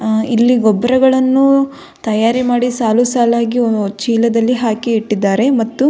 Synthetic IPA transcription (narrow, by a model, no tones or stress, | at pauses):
ilːiɡɔbːɾɐɡɐɭɐnːu | t̪ɐjaːɾimaːɽisaːlusaːlaːɡit͡ʃiːlɐd̪ɐlːiɦaːkiiʈːid̪ːaːɾe̞mɐt̪ːu